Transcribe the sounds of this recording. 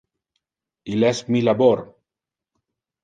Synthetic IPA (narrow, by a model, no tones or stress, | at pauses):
ilɛsmilaboɾ